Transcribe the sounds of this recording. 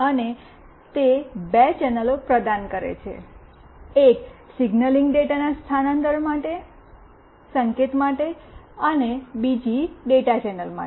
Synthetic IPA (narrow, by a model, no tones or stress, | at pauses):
əne | t̪ebet͡ʃɛnəlopɾəd̪ankəɾḛt͡ʃʰḛ | eksiɡnəliŋɡɖeʈanast̪ʰanənt̪əɾmaʈe | səŋket̪maʈeənebid͡ʒiɖeʈat͡ʃɛnəlma̰